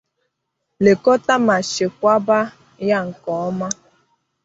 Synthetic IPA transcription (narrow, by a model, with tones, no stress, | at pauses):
le˨kɔ˦ta˦ma˨ʃɪ˨kʷa˦ba˦ | ja˦ŋ̩˨kɔ˨ɔ˦ma˦